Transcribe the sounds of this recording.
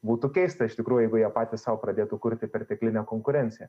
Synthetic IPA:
buːt̪ʊkʲɛɪst̪ɐɪʃt̪ʲɪkɾuːjʊjɛɪɡʊjiɛpɑːt̪ʲɪsɑʊpɾɐd̪ʲeːt̪ʊkʊɾʲt̪ʲɪpʲɛɾt̪ʲɛklʲɪnʲɛkoːŋkʊɾʲɛnʲt̪sʲɪjɛ

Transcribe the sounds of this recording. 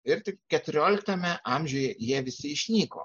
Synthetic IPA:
ɪɾt̪ʲɪkkʲɛt̪ʊɾʲoːlʲɪkt̪ɐmʲɛʔɑmʲʒʲʊːjɛjiɛʋʲɪsʲɪɪʃʲnʲiːko̰ː

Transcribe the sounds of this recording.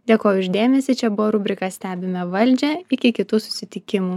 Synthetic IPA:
d̪ʲeːkoːjʊʊʃd̪ʲeːmʲɛsʲiːt͡ʃʲɛbʊʋoːɾʊbʲɾʲɪkɐsʲt̪ʲæːbʲɪmʲɛʋɐlʲd͡ʒʲɛɪkʲɪkʲɪt̪uːsʊ̥sʲɪt̪ʲɪkʲɪmuː

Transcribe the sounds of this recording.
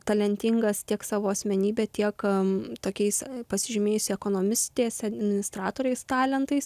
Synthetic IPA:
t̪ɐlʲɛnʲt̪ʲɪŋɡɐst̪ʲiɛksɑːʋoːɐsʲmʲɛnʲiːbʲɛt̪ʲiɛkt̪oːkʲɛɪspɐsʲɪʒʲɪmʲeːjʊsʲɪɛkoːnoːmʲɪsʲt̪ʲeːsɐd̪ʲmʲɪɪmʲɪnʲɪst̪ɾɑːt̪oːɾʲɛɪst̪ɑːlʲɛnt̪ɐɪs

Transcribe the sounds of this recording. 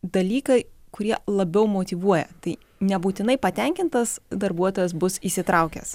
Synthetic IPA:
d̪ɐlʲiːkɐɪkʊɾʲiɛlˠɐbʲɛʊmoːt̪ʲɪʋuɔjɛ̰t̪ɐɪ | nʲɛbuːt̪ʲɪnɐɪpɐt̪ʲɛŋʲkʲɪnt̪ɐsd̪ɐɾbuɔt̪oːjɛs̬bʊsiːsʲɪt̪ɾɐʊkʲɛ̰s

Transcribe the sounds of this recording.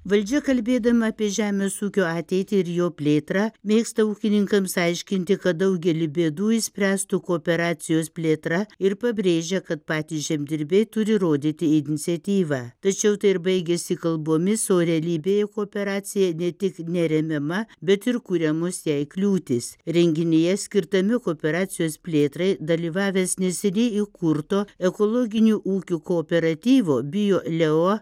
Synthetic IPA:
ʋɐlʲd͡ʒʲɛkɐlʲbʲeːd̪ɐmɐɐpʲiɛʒʲæːmʲeːsuːkʲoːɑːt̪ʲɛɪt̪ʲɪɪɾjoːpʲlʲeːt̪ɾɑmʲeːkst̪ɐuːkʲɪnʲɪŋkɐmsɐɪʃʲkʲɪnʲt̪ʲɪkɐt̪̚d̪ɐʊɡʲɛlʲɪbʲeːd̪uːɪsʲpʲɾʲæːst̪uːkoːpʲɛɾɑːsʲɪjoːspʲlʲeːt̪ɾɐɪɾpɐbʲɾʲeːʒʲɛkɐt̪pɑːt̪ʲiːʒʲɛmʲd̪ʲɪɾʲbʲɛɪt̪ʊɾʲɪɾoːd̪ʲit̪ʲɪɪnʲɪt̪sʲɛt̪ʲiːʋɑːt̪ɐt͡ʃʲɛʊt̪ɐɪɪɾbɐɪɡʲesʲɪkɐlˠboːmʲɪsoːɾʲɛɐlʲiːbʲeːjɛkoːpʲɛɾɑːsʲɪjɛnʲɛt̪ʲɪknʲɛɾʲɛmʲɛmɐbʲɛt̪ɪɾkuɾʲɛmosjɛɪklʲuːt̪ʲɪsɾʲɛŋʲɡʲɪnʲejɛsʲkʲɪɾt̪ɐmʲɪkoːpʲɛɾɑːsʲɪjoːspʲlʲeːt̪ɾɐɪd̪ɐlʲiːʋɑːʋʲeːsnʲɛsʲɛnʲɛɪkʊɾt̪oːɛkoːlˠoːɡʲɪnʲuːʔuːkʲuːkoːpʲɛɾɐt̪ʲiːʋoːbʲɪjoːlʲɛo

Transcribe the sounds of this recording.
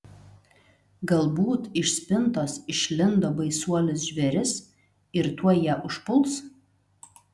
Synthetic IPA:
ɡɐlˠbuːt̪ɪʃsʲpʲɪnt̪oːsɪʃʲlʲɪnd̪oːbɐɪsuɔlʲɪsʒʲʋʲɛɾʲɪs | ɪɾt̪uɔjɛʔʊʃpʊlˠs

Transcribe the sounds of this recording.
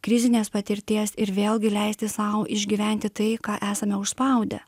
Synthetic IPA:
kɾʲɪzʲɪnʲeːspɐt̪ʲɪɾʲt̪ʲiɛsɪɾʋʲeːlˠʲɡʲɪlʲæɪsʲt̪ʲɪsɑʊʔɪʒʲɡʲiːʋʲæˑnʲt̪ʲɪt̪ɐɪkɑːʔæːsɐmʲɛʊʃspɐˑʊd̪ʲɛ̰

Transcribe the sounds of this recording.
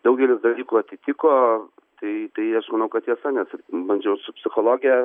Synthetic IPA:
d̪ɐʊɡʲɛlʲɪsd̪ɐlʲiːkʊɐt̪ʲɪt̪ʲɪkoː | t̪ɐɪt̪ɐɪɐʃmɐnɐʊkɐt̪jʲiɛsɑnʲɛsbɐnʲd͡ʒʲɛʊsʊpʲsʲɪxolˠoːɡʲɪjɛ

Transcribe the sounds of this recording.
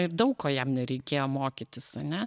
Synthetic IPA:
ɪrd̪ɐʊkkoːjɛmnʲɛɾʲɛɪkʲeːjoːmoːkʲɪt̪ʲɪsɐnʲɛ

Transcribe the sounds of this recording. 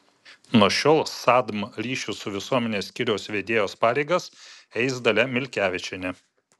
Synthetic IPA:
nuɔʃʲoːlˠsɑːd̪mɾʲiːʃʲʊsʊʋʲɪsuɔmʲɛnʲeːsʲkʲɪɾʲɛʊsʋʲeːd̪ʲeːjoːspɑːɾʲɛɪɡɐsɛɪsd̪ɐlʲɛmʲɪlʲkʲæːʋʲɪt͡ʃʲɛnʲɛ

